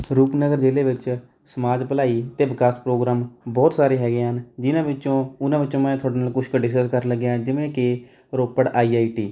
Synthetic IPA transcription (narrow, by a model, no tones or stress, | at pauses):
ɾuːpnəɡəɾd͡ʒeːleːʋɪt͡ʃ | səmaːd͡ʒpəlaːiːt̪eːʋɪkaːspɾoːɡɾaːmbɔːt̪saːɾeːɦɛːɡeːɦənd͡ʒɪnãːʋɪt͡ʃːõːʊnãːʋɪt͡ʃːõːmɛ̃ːt̪ʰʊaːɖeːnaːlkʊʃʰkəɖɪs̬kəskəɾləɡjãːd͡ʒɪʋẽːkɪ | ɾoːpːəɽaːiːaːiːʈiː